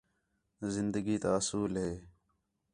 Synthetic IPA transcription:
zɪnd̪əɡiːt̪aːsuːlɦeː

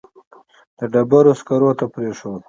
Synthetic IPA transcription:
d̪̥əɖabaɾoskaɾot̪apɾeʂod̪

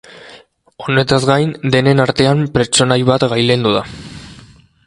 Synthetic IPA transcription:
o̞ne̞t̪azɡajnd̪e̞ne̞naɾt̪e̞ampɾe̞t͡ʃo̞najβat̪ɣajlend̪uða

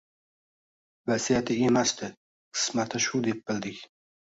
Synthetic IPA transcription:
vasijat̪ʰɪemast̪ɪ | qʰɨ̥smat̪ʰaʃʊd̪ep̚b̥ɪld̪ɪkʲ

